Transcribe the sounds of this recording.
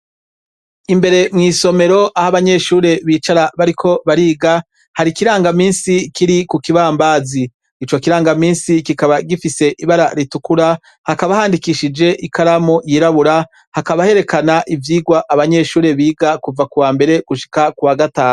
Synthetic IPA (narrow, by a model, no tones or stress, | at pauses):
imbe̞ɾe̞mŋiːso̞me̞ɾo̞ʔahaβaɲe̞ʃuːɾe̞βiːt͡ʃaɾaβaɾikʰo̞βaɾiːɡa | haɾikiɾaːŋɡamiːnsikiɾikukiβaːmbaziː | t͡ʃo̞kiɾaːŋɡamiːnsikikaβaɡifise̞ʔiβaɾaɾitukuɾa | hakaβahaːndikiʃid͡ʒe̞ʔikaɾamojiːɾaβuɾa | hakaβahe̞ɾe̞kanaʔivjiːɡwaʔaβaɲe̞ʃuːɾe̞βiːɡakuvakuwaːmbe̞ɾe̞ɡ̥uʃi̥kakuwaɡataːnu